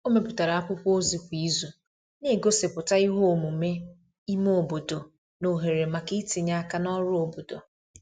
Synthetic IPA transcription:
o˦me˨pʊ˨ta˨ɾa˨a˦kʷʊ˦po˦zi˨kʷi˦zu˨ | ne˦˨ɡo˦se˨pʊ˨ta˦i˦ɦo˦˨mu˨me˦ | i˦mo˨bo˨do˨ | no˨ɦe˨ɾe˨ma˨ki˦ti˨ɲa˦ka˦nɔ˦ɾʊ˦o˨bo˨do̰˨

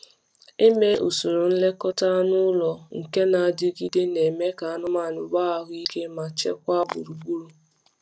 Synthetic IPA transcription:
e˦me˦ʔu˨su˨ɾu˨n̩˦le˦kɔ˦ta˦nʊ˦lɔ˨ŋ̩˨ke˦na˨a˨dɪ˦ɡi˦dɪ˦ne˨me˦ka˨a˦nʊ˦ma˦˨nʊ˨ɡ͡ba˦a˦ɦi˦ke˦ma˨t͡ʃḛ˦kʷa˦bʊ̰˨ɾu˨ɡ͡bu˦ɾu˨

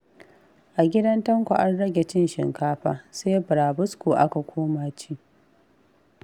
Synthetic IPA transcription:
ʔa˨ɡʲɪ˦dɐ˦ntɐ˦ŋkʷʊ̰˨ʔa˦rɽɐ˦ɡʲe˨t͡ʃɪ˦nʃɪ̰˨ŋkaː˦ɸaː˦seː˦bɾaː˨bʊ˦skuː˨ʔa˦ka˨kʷoː˦maː˦˨t͡ʃiː˦

